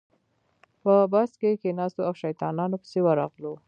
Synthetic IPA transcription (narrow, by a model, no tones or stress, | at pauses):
pəbaskekenɑst̪oawʃajt̪ɑnɑnopə̥sewəɾɑ̰ɣlo